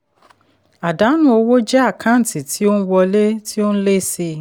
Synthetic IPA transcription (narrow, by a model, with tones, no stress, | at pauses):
a˨da˨˦nũ˦o˧wo˦d͡ʒɛ˦a˦˨kʰa˦˨ti˨ti˨˦o˦n̩˦wɔ˧le˦ti˦o˦n̩˦le˦˨si˧